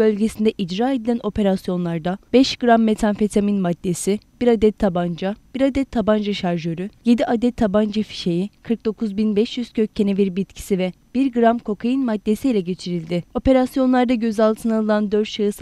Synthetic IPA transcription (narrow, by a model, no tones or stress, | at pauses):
bø̞lʲɟe̞sind̪ɛʔid͡ʒɾaːe̞d̪ilʲænʔo̞pʰe̞ɾasjo̞nlˠaɾd̪abɛʃɡ̥ɯɾamːe̞t̪ʰanfe̞t̪ʰaminmad̪ːe̞sib̥iɾad̪ɛt̪ʰːaband͡ʒab̥iɾad̪ɛt̪ʰːaband͡ʒaʃaɾʒøɾyje̞d̪iʔad̪ɛt̪ʰːaband͡ʒafi̥ʃe̞jikʰɯɾk̚d̪o̞kʰuzbinbɛʃjyz̥cʰøcʰːe̞nɛviɾbit̪cʰi̥sivɛ | b̥iɾɡɯɾamkʰo̞kʰajɯnmad̪ːe̞sijilʲɛɟe̞t͡ʃʰiɾilʲd̪ɪo̞pe̞ɾasjo̞nlˠaɾd̪aɟø̞zalˠt̪ʰɯnalˠɯlnˠand̪øɾt̪ʃʰaɯs